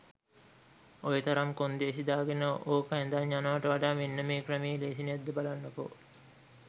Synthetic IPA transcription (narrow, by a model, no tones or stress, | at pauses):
ojət̪ɐɾamkond̪eːs̬id̪aːɡenəʔoːkəɛnd̪aɲːanəʋaʈəʋaɖaːmenːəmeːkrəmiːleːsinead̪ːəbalanːəko̰